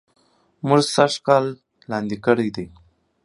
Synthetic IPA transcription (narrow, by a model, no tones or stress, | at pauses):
muʐsaʂkɑːlː | ɑnd̪ikəɽəjd̪ej